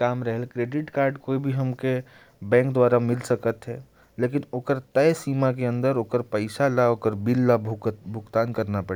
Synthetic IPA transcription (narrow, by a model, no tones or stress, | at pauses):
kaːmɾəɦɛlkɾeːɖɪʈkaːɾɖkoːibʱiɦəmke | bɛ̃ːŋk̚d̪waːɾamɪlsəkət̪ɦɛ | leːk̬ɪnoːkəɾt̪əjsiːmak̬eə̃nd̪əɾoːkəɾpəɪsalaoːkəɾbilːabʱkbʱʊkt̪aːnkəɾnapə